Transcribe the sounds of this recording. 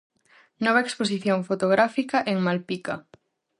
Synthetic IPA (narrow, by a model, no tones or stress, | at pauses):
nɔβaekspos̬iθjoŋfot̪oɣɾafikaʔeŋmalpika